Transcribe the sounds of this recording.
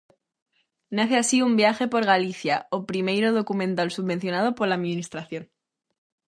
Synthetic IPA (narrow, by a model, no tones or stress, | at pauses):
naθeasiumbjaxe̞po̞ɾɣaliθjaopɾime̞jɾoð̞o̞kumẽ̞nt̪alsuβbẽ̞n̟θjo̞nað̞o̞poɾlaːðmĩnist̪ɾaθjo̞n